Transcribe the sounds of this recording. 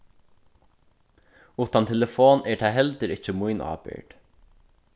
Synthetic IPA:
uːt̪ant̪ʰɛləfoːnɛɹt̪ʰaːɦɛlt̪əɾɪht͡ʃəmʊjnʔa̰ːpɪ̰ɹʈ̪

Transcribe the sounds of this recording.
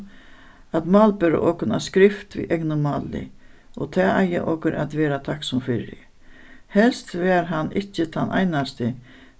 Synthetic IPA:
at̪mɑːlpʏɾa̰ʔɔːkʊna̰skɾɪft̪vḭʔɛknʊmaːlːɪ̰ | ɔt̪ʰɛːʔajɪ̰ʔɔkɪɾʔa̰t̪ʋɛːɾat̪ʰaksʊmfɪɾɪ̰ | hɛlst̪vɛːɾɦanːɪt͡ɕːət̪ʰanʔa̰jnast̪ɪ

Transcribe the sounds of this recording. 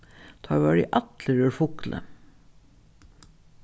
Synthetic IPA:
t̪ʰɑːʋɑːɾḭːʔɑt̪ləɾʉːɾfʊklʔə̰

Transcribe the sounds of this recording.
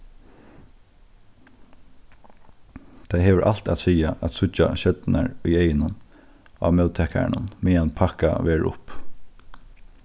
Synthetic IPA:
t̪ʰaɪɦeːʋəɹʔal̥t̪a̰t̪siːaʔæt̪sʊa̰ɕœt̪na̰ɹʊjeɪjɪnʊn | a̰ːmœʊt̪ʰɛhka̰ɳʊ̰nmɛːanpʰaka̰ʋeːɹʊ̰p

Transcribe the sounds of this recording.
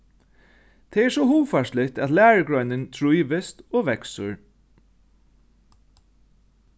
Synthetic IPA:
t̪ʰɛɛɹsɔhuːfaʂlɪt̪æt̪læːɹəɡɹœʏnɪnt̪ʰɹujʋɪst̪oːʋɛksʊ̰ɹ

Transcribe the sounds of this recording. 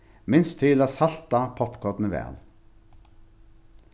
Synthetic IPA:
mɪnst̪ʰiːlɑsɑlt̪ɑpʰɔpkʰɔt̪nəʋæ̰ːl

